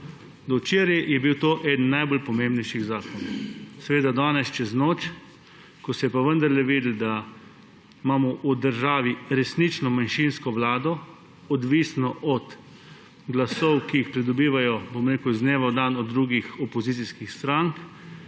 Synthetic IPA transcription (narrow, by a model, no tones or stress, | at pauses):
d̪ɔt͡ʃeːɾjɛjɛbiwt̪oːʔɛd̪n̩najbolpɔmẽmbnɛjʃiɣzaːkɔnɔwsɛʋeːd̪ad̪aːnɛst͡ʃɛznoːt͡ʃ | kɔsɛjɛpaʋənd̪aɾlɛʋiːd̪əl̩d̪a | maːmɔʔud̪əɾʒaːʋiɾɛsnit͡ʃnɔmanʃinskɔʋlaːd̪ɔ | ɔd̪ʋiːsnɔʔɔt̪ | ɡlasɔwkijixpɾid̪ɔbiːʋajɔbomɾeːkəwzneːʋawd̪anɔd̪ːɾuːɡixɔpɔziːtsiskixst̪ɾaŋk